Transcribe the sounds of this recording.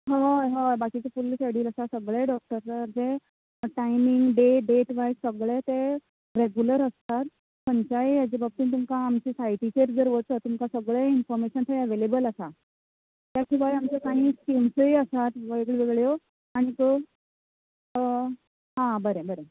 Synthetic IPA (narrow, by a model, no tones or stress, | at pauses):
ɦə̃ɦə̃bakit͡sefulːseɽiːləsasəɡɭeɖɔk̚ʈəɾt̪əd͡ze | ʈajmiŋɡɖeɖeʈʋajsəɡɭet̪e | ɾeɡjuləɾəst̪at̪ | pəɲt͡ɕaijad͡ʑebəb̚t̪iːnt̪umkaːmt͡ɕisajʈit͡ɕeɾd͡zəɾʋət͡sət̪umkasəɡɭeinfɔɾmeɕənt̪ʰəəʋelebələsa | t̪jakʰiːʋajamt͡sakaɦĩːskimsəjəsat̪ʋəeɡɭʋeɡɭjo | aɽ̃ikə | ɦãbəɾebəɾe